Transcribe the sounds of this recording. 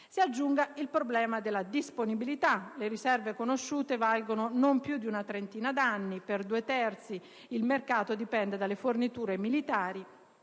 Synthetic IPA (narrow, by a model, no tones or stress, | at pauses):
siad͡ʒːuŋɡailpɾoblɛːmad̪elːad̪isponibilit̪aleɾisɛrvekonoʃːuːt̪evalɡononompjud̪iunat̪ɾent̪iːnad̪anːiperd̪uːet̪ɛrt̪si | ilmerkaːt̪od̪ipɛnd̪ed̪alːefornit̪uːɾemilit̪aːɾi